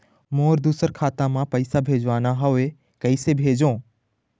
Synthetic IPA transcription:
moːɾd̪uːsəɾkʰaːt̪ãmãpɐisabʱeːd͡ʑʋaːnaɦɐʋe | kɐisebʱeːd͡ʑõː

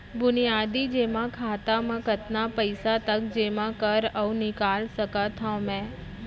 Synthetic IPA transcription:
bʊnijaːd̪id͡ʒeːmãkʰaːt̪amãkət̪napəɪsat̪əkd͡ʒeːmãkəɾəũnɪkaːlsəkat̪ʰãmɛ̃ː

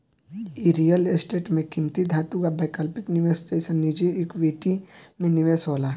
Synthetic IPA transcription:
iɾijəlesʈeːʈmẽkimt̪id̪ʱaːt̪uɡabeːkəlpɪknɪʋesʈeːsənːid͡ʒiɪkʋeːʈimẽnɪʋesoːlaː

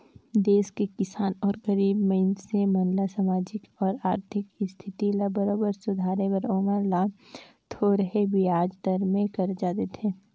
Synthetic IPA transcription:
d̪eːskekɪsaːnɔːɾɡɐɾiːbməɪnsemɐ̃nlasamaːd͡ʒɪkɔːɾaːɾt̪ʰɪkst̪ʰɪt̪ilabɐɾoːbəɾsʊd̪ʱaːɾeʋɐɾoːməɾla | t̪ʰoɾɐɦebʱiaːd͡ʒd̪ɐɾmẽkɐɾd͡ʒaːt̪et̪ʰeː

